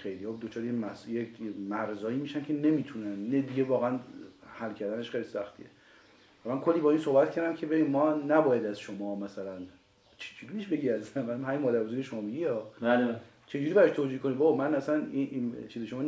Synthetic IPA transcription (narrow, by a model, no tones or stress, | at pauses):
xejlijɒd̪ot͡ʃʰɒːɾejemæsjecmæɾzɒːiːmiʃænkʰe̞ne̞miːt̪ʰunænːed̪iɡɟevɒːɣeænhælcʰæɾd̪æneʃχejlisæxt̪ʰḭe | væmænkʰolːiːbɒːiːnsohbæt̪̚cʰæɾd̪æmcʰe̞beɟimːɒːnæbɒːjæd̪æzʃomɒːmæsælæn | t͡ʃʰe̥d͡ʒuɾibeʃbe̞ɟiææzzævææmhæmimɒːd̪æɾbozoɾkʰeʃomɒːmiɟiɒːal | t͡ʃʰe̞d͡ʒuːɾiːbæɾɒʃt̪ʰoːd͡ʒihkonid̪bɒmænæsæniʔint͡ʃʰiːzeʃomɒː